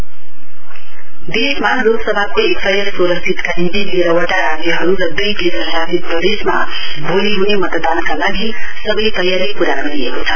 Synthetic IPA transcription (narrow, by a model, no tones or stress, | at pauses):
d̪esmaloɡsʌbʱakoekt̪ʌɾjʌsoɾʌsd̪ʰʱit̪kanint̪ilieɾʌwəʈaɾad͡zjʌɦʌɾuɾʌd̪ujd̪esʌsat̪it̪̚pʌd̪esma̰ | bʱoliɦunemʌt̪d̪ankalaɡisʌbʌjt̪ʌjaɾipuɾaɡʌɾiekot͡sʰʌ